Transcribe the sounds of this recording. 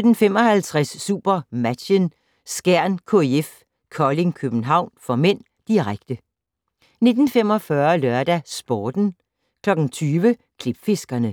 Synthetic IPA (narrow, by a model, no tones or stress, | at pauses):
sød̥n̩femɒ̽hælt͡sʰʁasːṵːb̥ɐmæ̥ən | sɡ̥æɐ̰nkʰo̝eef | kʰɒleŋkʰøb̥n̩ɦɑ̈ʊ̰nfɒ̽men̰ | d̥iʁaɡ̥̚d̥ə | ne̝d̥n̩femɒ̽fɶɐlœɐd̥æsb̥ɒːd̥n̩ | kʰlɒ̽ɡ̥n̩t͡sʰyːʋə | kʰleb̥fe̝sɡ̥ɐnə